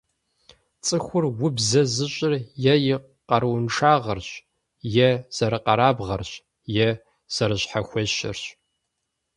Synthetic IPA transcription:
t͡sʼɨxʷʊrwʊbzɐzɨɕʼɪrjɛjɪ | qɐɾwnʈ͡ʂʰaːʁɐrɕ | jɛz̥ɐɾɨqɐɾaːbʁɐrɕ | jɛ | z̥ɐɾɨɕħaxʷɔɕɪ̰rɕ

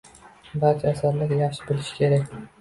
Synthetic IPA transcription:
bat͡ʃʰaasaɾlɪɾʲjaχʃɪbɪlɪʃɪ̥kʲʰe̞ɾakʲ

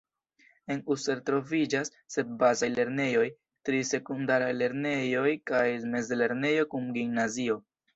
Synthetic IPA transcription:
e̞nuse̞ɾtɾo̞vid͡ʒasːe̞t̚bazajle̞ɾne̞jo̞j | tɾise̞kundaɾajle̞ɾne̞jo̞jkajme̞zle̞ɾne̞jo̞kumɡimnazio̞

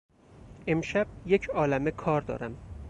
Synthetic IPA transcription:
e̞mʃæb̥̚jecʰɒːlæmekʰɒːɾd̪ɒ̰ːɾæm

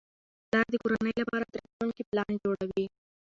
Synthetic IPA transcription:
lɑɾd̪əkoɾanəjlapɑɾad̪ɾakulkiplɑnd͡ʒoɽawi

